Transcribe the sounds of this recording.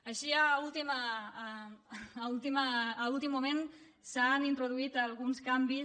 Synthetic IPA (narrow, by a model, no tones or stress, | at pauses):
aʃiaulˠt̪ima | ulˠt̪imaːulˠt̪imːumen | sanint̪ɾuðuit̪alˠɣunskambi